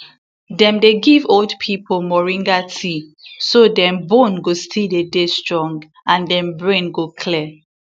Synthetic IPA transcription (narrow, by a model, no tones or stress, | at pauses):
dɛ̃mdeɡivoldpʰipʰolmɔɹĩŋɡatʰisodɛ̃mbõnɡostʰildedestɹɔ̃ŋɡ | ãndɛ̃mbɹẽnɡokʰlɛ